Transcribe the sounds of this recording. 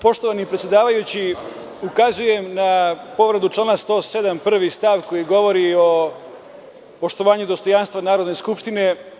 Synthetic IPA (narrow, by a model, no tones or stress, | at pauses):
po̞ʃt̪oʋanipɾet̪sʲjed̪aːʋajut͡ɕi | ukazuje̞mnapo̞ʋɾed̪ut͡ʂlaːnast̪o̞ːse̞d̪ampr̩ʋist̪aʋko̞jiɡo̞ʋo̞ɾio | po̞ʃt̪o̞ʋaːɲud̪o̞st̪o̞janst̪ʋanaːɾod̪neskupʃt̪ine̞